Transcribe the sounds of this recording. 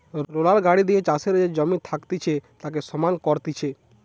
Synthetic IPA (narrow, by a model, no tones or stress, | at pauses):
ɾolaɾɡaɽid̪iet͡ʃaseɾd͡ʒed͡ʒɔmit̪ʰakt̪it͡ʃʰet̪ak̬esɔmankɔɾt̪it͡ʃʰe